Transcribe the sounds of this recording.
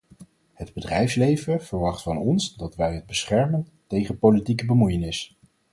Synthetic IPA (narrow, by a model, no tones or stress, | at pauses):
hədbədrɛjfslejvəv̥əɹʋɑχtfɑnɔnsdɑtʋɛjɦəd̚bəsχɛɹmən | tejχəpowlitikəbəmujənɪs